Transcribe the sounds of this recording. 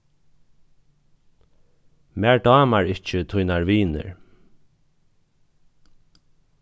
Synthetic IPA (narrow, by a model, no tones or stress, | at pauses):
mæːɹɖɑːmaɹɪt͡ʃət̪ʰʊjnaɹʋiːnə̰ɹ